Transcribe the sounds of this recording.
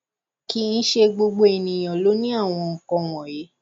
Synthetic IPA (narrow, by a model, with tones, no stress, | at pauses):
ki˦n̩˦ʃe˧ɡ͡bo˧ɡ͡bo˦e˨nĩ˨j̃ɔ̃˨lo˨˦nĩ˦a˦˨w̃ɔ̃˧ŋ̩˨kɔ̃˧wɔ̃˨je˨˦